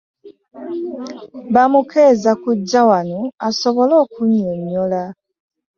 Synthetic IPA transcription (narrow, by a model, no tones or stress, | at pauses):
βamukezakuɟːawanuaso̞βo̞lo̞ːkuɲːeɲola